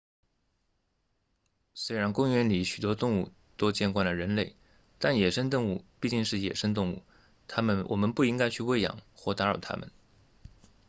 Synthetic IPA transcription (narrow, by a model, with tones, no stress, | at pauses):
swe˥ɪɻa˧˥nkʊ˥ŋɥɛ˧˥nli˧˥ɕy˨˩t̪wɔ˥t̪ʊ˥˧ŋu˥˩ | t̪o˥ʊt͡ɕjɛ˥˧nkwa˥˩nlə˩ɻə˧˥nle˥˩ɪ | t̪a˥˩njɛ˨˩ʂə˥ŋt̪ʊ˥˧ŋu˥˩pi˥˧t͡ɕi˥˧ŋʂɻ̩˥˩jɛ̰˨˩ʂə˥ŋt̪̬ʊ˥˧ŋṵ˥˩ | t̪ʰa˥mə˨nwʔɔ̰˨˩mə˦npu˥˩i˥ŋka˥ɪt͡ɕʰy˥˧we˥˩ɪjɑ̰˨˩ŋxwɔ˥˩t̪a˧˥ɻɑ˨˩ʊt̪ʰa̰˥mə̰˨n